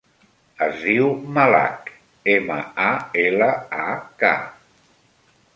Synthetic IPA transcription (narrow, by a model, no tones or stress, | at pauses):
əzðiwmala̰k | emə̰aeləaka̰